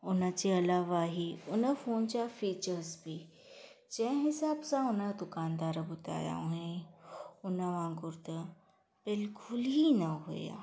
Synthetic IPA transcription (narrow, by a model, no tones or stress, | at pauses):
ʊnə̆d͡ʑeːɐlaːʋaːɦiʊnə̆foːnd͡ʑafiːt͡ɕəɾzbi | d͡ʑɐ̃ɦɪ̃ɦɪsaːbsãʊnəd̪ʊkaːnd̪aːɾbʊd̪ʱa̰ːja̰oɦɪ̃ | ʊnəʋãɡʊɾd̪ə | b̥ɪlkʊlɦinɐɦṵja̰ː